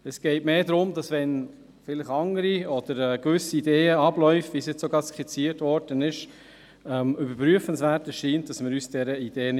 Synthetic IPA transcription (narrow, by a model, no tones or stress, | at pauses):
ɛsɡ̥ɛɪtmeːdɾʊmdɑsvɛn | fɪlɪχɑŋəɾiɔd̪̥əɾɛːkʋʏsiːdeːəɑb̥lœʏfʋisjɛt͡ssoɡɑːskʰit͡siːəɾtvɔɾd̥ənɪʃ | ɛmybəɾpɾyəfənsvæːɾtəsʃiːntd̥ɑsməɾyːsd̥ɛɾəid̥eːən